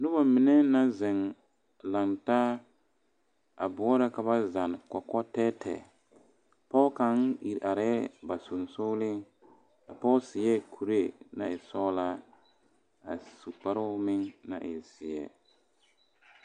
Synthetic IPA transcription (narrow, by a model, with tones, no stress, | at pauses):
nʊ˦ba˨mɪ˨nɛ˦na˦zɪ˨ŋ | la˨ŋta˦ | a˨bʊ˨ɔ˦ɾa˦ka˨βa˦za˨n˨kɔ˨kɔ˦tɛ˦tʰɛ̰˨ | pɔ˦ka˨ŋḭ˨ɾʔa˨ɾɛ˦ba˨sʊ˨nsʊ˦lɪ˦ | a̰˨pɔ˦sɪ˨jɛ˦kʰu˨ɾe˦˨na˨ɪ˨sɔ˦la˦ | a̰˨su˨k͡pa˨ɾʊ˦mɪ˦ŋna̰˨ʔɪ˨sɪ˨ɛ̰˨